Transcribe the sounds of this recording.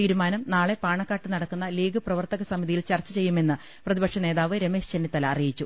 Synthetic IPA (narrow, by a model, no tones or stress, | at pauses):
t̪iːɾumaːnɐmnaːɭe̞paːɳɐkːaːʈːɨnɐɽɐkːunːɐliːɡɨprɐʋɐrt̪ɐɣɐsɐmiðijilt͡ɕɐrt͡ɕːɐt͡ɕe̞jːume̞nːɨ | prɐðibɐkʂɐne̞ːðaːʋɨɾe̞me̞ːʂt͡ɕenːit̪ːɐlɐːrijit͡ɕːu